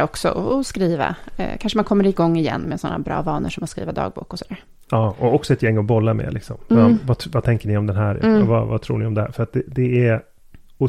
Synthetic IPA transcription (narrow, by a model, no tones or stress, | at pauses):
ɔksɔ̰ʔɔːskɾiːva̰kʰanʂəmankʰɔmːəɾɪɡɔŋːɪjɛ̰nːmɛsɔnːa̰bɾɑ̰ːvɑːnəʂɔmaskɾḭːvad̪ɑ̰ːɡ̚bṵːkɔsɔd̪æːɾ | ɑːɔɔksɔɛt̪jɛŋːɔbɔlːamḛːlɪksɔmvavat̪ʰɛŋkəɳɪɔmd̪ɛnɦæːɾ̰vava̰t̪ʰɾṵːɳɪɔmd̪ɛhæ̰ːɾfœɾat̪̚d̪ɛd̪ɛɛ | ʊ